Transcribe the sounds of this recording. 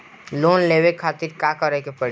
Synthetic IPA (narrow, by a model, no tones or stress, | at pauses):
loːnleːʋekʰaːt̪ɪɾkakəɾɛkepəɽ